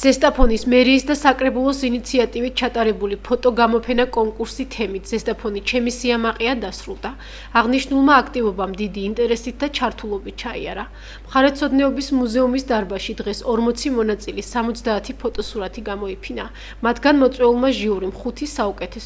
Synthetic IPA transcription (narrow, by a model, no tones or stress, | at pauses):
z̥ɛst̪ʼapʰɔnismɛɾiːsd̪asakʼɾɛbulˠɔsinit̪sʰiat̪ʼivit̪̚t͡ʃʰat̪ʼaɾɛbulipʰɔt̪ʼɔɡamɔpʰɛnakʼɔŋkʼuɾsit̪ʰɛmit̪ʰz̥ɛst̪ʼapʰɔnit͡ʃʰɛmisiamaqʼiand̪asɾulˠd̪aː | ʁniʃnulˠmaːkʰt̪ʼivɔbamd̪id̪iːnt̪ʼɛɾɛsit̪̚ʰd̪at͡ʃʰaɾt̪ʰulˠɔbit̪̚t͡ʃʰaḭa̰ɾa | mχaɾɛt̪sʰɔd̪nɛɔbismuzɛumisd̪aɾbaʃid̪ʁɛsɔɾmɔt̪sʰimɔnat̪sʼilisamɔt̪sʰd̪aːt̪ʰipʰɔt̪ʼɔsuɾat̪ʰiɡamɔipʰina | mat̪ʰɡanmɔt̪sʼwɛulˠmaʒiuɾimχut̪ʰisaukʼɛt̪ʰɛs